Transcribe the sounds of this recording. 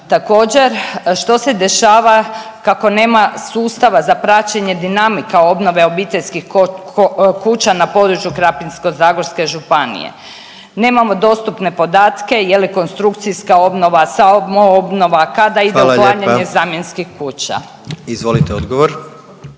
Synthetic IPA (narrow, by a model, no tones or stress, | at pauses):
t̪ako̞ːd͡ʑe̞ɾʃt̪o̞se̞d̪e̞ʃaːʋakako̞ne̞ːmasuːst̪aʋazapɾat͡ɕeɲe̞d̪inamikao̞bno̞ʋe̞o̞bit̪e̞ʎskix | kuːt͡ɕanapo̞d̪ɾut͡ʃjukɾapinsko̞zaːɡoɾske̞ʒupanḭjḛ | ne̞ːmamo̞d̪o̞st̪upne̞po̞d̪aːt̪ke̞jeliko̞nst̪ɾukt̪siskao̞bno̞ʋasaobmoobno̞ʋakad̪aid̪eulaːɲaɲezaːmjenskixkuːt͡ɕa̰ | izʋolit̪eod̪ɡoʋoɾ